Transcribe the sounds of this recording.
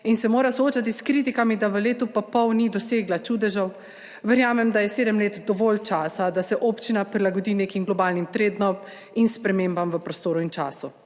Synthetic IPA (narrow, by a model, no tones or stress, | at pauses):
insɛmoːɾasɔoːt͡ʃat̪iskɾit̪̬ikamid̪aʋəleːt̪upapɔwnid̪ɔseːɡlat͡ʃud̪ɛʒɔw | ʋɛɾjaːmɛmd̪ajɛseːd̪əmleːt̪d̪ɔʋoːlt͡ʃaːsad̪asɛʔoːpt͡ʃinapɾilaɡɔd̪iːneːkimɡlɔbaːlnimt̪ɾeːd̪nɔp | inspɾɛmeːmbamʋəpɾɔst̪oːɾuint͡ʃa̰ːsu